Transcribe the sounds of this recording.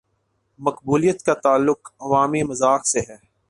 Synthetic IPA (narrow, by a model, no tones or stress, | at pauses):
mɐqbuːlijət̪kat̪aːlːʊkɐʋaːmimɐzaːxseɦɛː